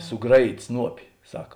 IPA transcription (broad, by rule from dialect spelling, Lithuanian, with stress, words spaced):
sʊˈɡrɑːˌjiːtʲ ˈsnuɔpʲɪ ˈsɑːkɐ